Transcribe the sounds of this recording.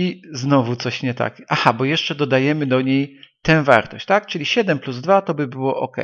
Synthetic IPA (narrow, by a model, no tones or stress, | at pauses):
iznɔvut̪sɔɕɲɛt̪a̰kʲʔaxabɔjɛʂt͡ʂɛd̪ɔd̪ajɛmɘd̪ɔɲejt̪ɛ̃w̃va̰ɾt̪ɔ̰ɕt͡ɕt̪akt͡ʂɘlʲiɕɛd̪ɛmpluzd̪vat̪ɔbɘbɘwɔʔɔkɛ̰j